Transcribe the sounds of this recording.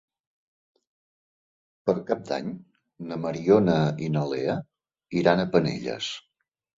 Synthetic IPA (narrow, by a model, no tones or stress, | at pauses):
pəɾkap̚d̪a̰ɲ | nəməɾionəinəleə | iɾanəpənḛʎə̰s